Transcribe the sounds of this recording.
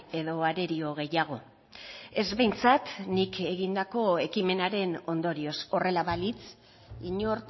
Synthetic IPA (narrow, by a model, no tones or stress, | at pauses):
e̞ðo̞aɾe̞ɾio̞ɣ̞e̞jaɣ̞o̞ | e̞zβe̞jnt͡sat̪nikʰe̞ɣind̪ako̞e̞kime̞naɾe̞no̞nd̪o̞ɾio̞so̞re̞laβalit͡s | iɲoɾt̪